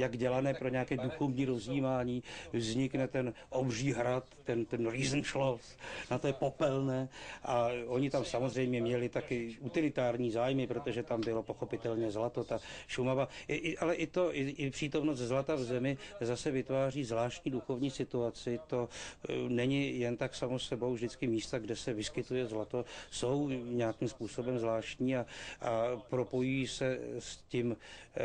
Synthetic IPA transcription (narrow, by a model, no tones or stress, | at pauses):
jaɡɟɛlanɛːpɾo̞ɲɛakɛːduxo̞vɲiːɾo̞zjiːmaːɲiːvzɲɪknɛt̪ɛn | ʔobriːɦɾat̪ːɛnt̪ɛnɾiːzmʃlosnat̪ojɛpo̞pɛlnɛːʔaʔo̞ɲɪt̪amsamo̞zr̝ɛjmɲɛmɲɛlɪt̪akɪut̪ɪlɪt̪aːɾɲiːzaːjmɪpɾot̪o̞ʒɛt̪ambɪlo̞poxo̞pɪt̪ɛlɲɛzlat̪o̞t̪aʃumavaʔɪʔɪʔalɛʔɪt̪o̞ʔɪʔɪpr̥iːt̪o̞mnost̪zlat̪avzɛmɪzasɛvɪt̪vaːriːzvlaːʃcɲiːduxo̞vɲiːsɪt̪uat͡sɪt̪o̞nɛɲɪjɛnt̪aksamosɛbo̞wvʒdɪt͡skɪmiːst̪aɡdɛsɛvɪskɪt̪ujɛzlat̪o̞so̞wɲɛakimspuːso̞bɛmzvlaːʃc̪ɲiːaʔapɾo̞po̞jujiːsɛscɪm